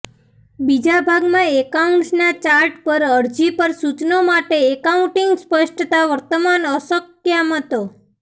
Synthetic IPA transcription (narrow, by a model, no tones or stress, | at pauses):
bid͡ʒabʱaɡmãekauɳʈsnat͡ʃaɾʈpəɾəɾd͡ʒipəɾsut͡ʃnomaʈeekauɳʈiŋɡspəʃʈt̪aʋəɾt̪əmanəsəkjamət̪o